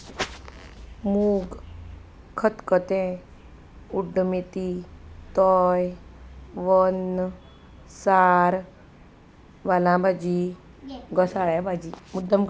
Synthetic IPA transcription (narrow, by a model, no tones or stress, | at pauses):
muːɡ | kʰət̪kət̪ẽ | uɖmit̪it̪ɔːj | ʋɔn | saːɾ | ʋalãːbad͡ʒi | ɡəsaɽɛbad͡ʒimud̪əm